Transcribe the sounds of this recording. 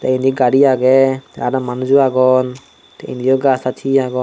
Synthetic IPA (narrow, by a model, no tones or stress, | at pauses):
tɛindiɡaɾiaɡɛaɾamanuzuaɡɔn | tɛ̰ḭndiɔɡasatʰiaɡɔ